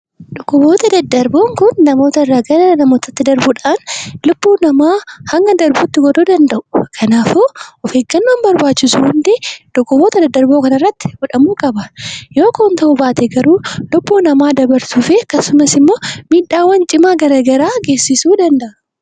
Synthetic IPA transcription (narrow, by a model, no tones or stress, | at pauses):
ᶑ̪ɔkːʊbo̞ːt̪ɐd̪ɐd̪ːɐɾbo̞ːŋkʊnːɐmo̞ːt̪ɐɪrːaːɡɐɾɐɐnɐmo̞ːt̪ɐt̪ːɪd̪ɐɾbʊᶑaːnlʊb̥ːuːnɐmaːhɐŋɡɐd̪ɐɾbuːt̪ːɪɡɔd̪oːd̪ɐnd̪ɐʔʊ̥kʰɐnaːfoɔfeːɡɐnːoːnbɐɾbaːt͡ʃːɪsʊhʊnd̪ɛᶑ̪̥ɔkːʊbo̞ːt̪ɐd̪ɐd̪ːɐɾbo̞ːkɐnɐrːɐt̪ːɪ̥ɡɔᶑɐmuːkʼɐbɐjo̞ːkoːnt̪ɐʔʊbaːt̪ɛɡɐɾuːlʊbːuːnɐmaːd̪ɐbɐɾsuːfekɐsʊmɐsɪmːoːmiːᶑːaːwːɐnt͡ʃʼɪmaːɡɐɾɐɡɐɾaːɡe̞ːsɪsuːd̪ɐnd̪ɐʔɐ